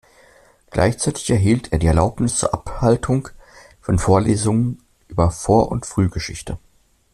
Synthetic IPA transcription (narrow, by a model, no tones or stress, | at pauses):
ɡ̥lʔa̰ɪçt͡saɪtɪ̥çɛɐɦiːltʰʔeːɐdiːɛɐlaʊpnɪst͡suːɐʔaphaltʰʊŋ | fɔnfoːɐleːzʊŋən | ʔyːbɐfoːɐʔʊ̰ntfʁ̥yːɡəʃɪ̰çtʰə